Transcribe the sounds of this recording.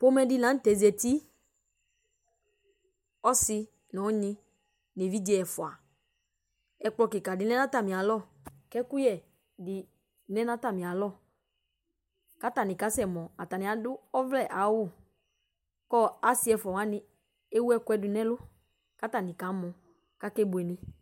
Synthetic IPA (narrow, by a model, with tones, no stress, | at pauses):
po˦mɛ˨˦dɪ˦lã˨˦n̩˦tɛ˨˦zɛ˨ti˦ | ɔ˦sɪ˦ | nɔ˨˦ɲɪ̃˦ | ne˨vi˦d͡ʒɛ˨ɛ˨fʊ˨a̰˨ | ɛ˨k͡plɔ˧kɪ˨ka˨dɪ˨n˦ɛ˦nã˦ta˨mĩ˨a˨lɔ˦˨ | kɛ˦ku˦jɛ˨ | dɪ˨ | nɛ̃˦nã˦ta˨mĩ˨a˨lɔ˦˨ | ka˦ta˨nɪ̃˨ka˨˦sɛ˨mɔ̃˨a˨ta˨nɪ̃˨a˨dʊ˦ɔ˦vlɛ˦˨ʔa˨˦wʊ˦˨ | kɔ˦a˨sɪ˦ɛ˨fɔ˨a˦nɪ̃˨ | e˦wu˦ɛ˦kʊ˦ɛ˨˦dʊ˨nɛ̃˦lʊ˦ | ka˦ta˨nɪ̃˨ka˨˦mɔ̃˨ | ka˦kɛ˦bʊ˨ɛ˨nɪ̃˦